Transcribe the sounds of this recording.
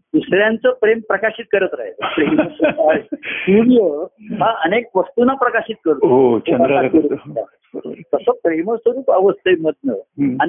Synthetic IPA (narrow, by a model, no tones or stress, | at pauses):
isɭjãnt͡səpɾempɾəkaɕit̪̚kəɾət̪ɾa̰ɦeləpɾeməsutaeiɽijəɦãənek̚ʋəst̪unapɾəkaɕiːt̪̚kəɾt̪uɦoəaəɾua̰ | t̪əsəpɾeməsəɾuːpəʋəst̪əjməd̪̚nəani